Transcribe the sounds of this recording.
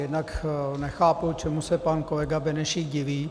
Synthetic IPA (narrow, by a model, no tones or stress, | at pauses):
ɛnɐkʰnɛxaːput͡ʃʰɛmusɛpɐnkolɛɡabɛnɛʃiɟɪʋiː